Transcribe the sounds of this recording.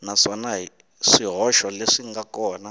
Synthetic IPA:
naʂanaɦi | ʂiɦɔʃɔleʂiŋɡakɔːna

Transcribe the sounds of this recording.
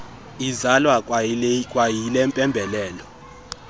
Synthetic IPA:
izalwakʼkʼwajilɛmpʼɛmbʱɛlɛːlɔ

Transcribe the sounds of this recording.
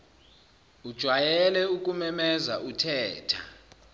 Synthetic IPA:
ud̥ʒ̥ʱwajɛlɛuk̬ʼumɛmɛzaʔutʰɛːtʰa

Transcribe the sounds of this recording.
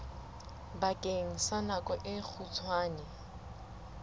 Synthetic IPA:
bakʼeŋ̩sanakʼɔʔɪk͡xʰut͡sʰwaːnɛ

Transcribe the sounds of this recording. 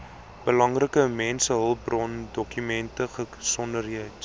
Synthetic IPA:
b̥əlɐŋrəkəmɛnsəɦəlˠbrɔndɔkymɛntəχəsɔndərɦiət

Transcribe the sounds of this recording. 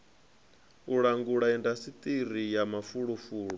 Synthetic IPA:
uɺaŋɡuɺaɛndasit̪ʼirijamafuɺɔfuːɺɔ

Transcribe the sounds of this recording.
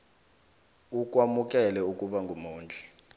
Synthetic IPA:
uk̬ʼwamuk̬ʼɛlɛuk̬ʼuɓaŋɡʱumuːnd͡ɮʱɛ̥

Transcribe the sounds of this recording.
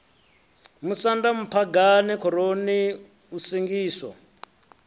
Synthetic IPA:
musandamupʰaɡanikʰɔɾoni | usiŋɡiːswɔ̰

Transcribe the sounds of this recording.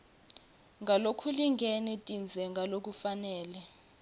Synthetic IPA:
ŋʱalokʰuliŋɡʱɛnɛtʼind͡zʱɛŋɡʱalok̬ufanɛːlɛ

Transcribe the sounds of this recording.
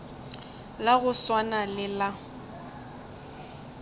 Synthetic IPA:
laɣʊswanalɪla

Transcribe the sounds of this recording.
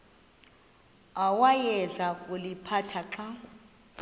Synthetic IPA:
awajɛzakʼulipʰatʰaǃa

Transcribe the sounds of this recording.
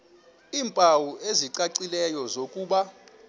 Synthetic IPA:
iːmpʼawuʔeziǀaǀilɛjɔzokʼuːɓa

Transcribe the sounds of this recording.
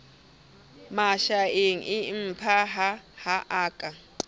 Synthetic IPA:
maʃaeŋ̩ʔɪm̩pʰaɦahaʔaːkʼa

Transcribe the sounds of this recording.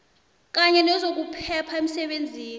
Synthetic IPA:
k̬aɲɛnɛzok̬upʰɛpʰaem̩sɛɓend͡zʱiːn

